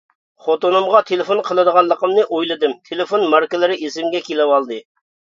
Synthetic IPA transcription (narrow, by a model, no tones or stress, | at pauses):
χot̪onɨmʁɑt̪ʰelɪfonqʰəlˠɨd̪əʁɑnlˠəqəmnɨʔojlˠɨd̪ɨmt̪ʰelɪfonmɑɾkəlˠɨɾɪʔisɪmɡʲɛkʲelɪwɑlˠd̪ɨ